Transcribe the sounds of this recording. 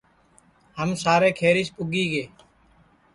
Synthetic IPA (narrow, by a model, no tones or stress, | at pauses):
həmsaːɾeːkʰeːɾɪʃpʊɡiːɡeː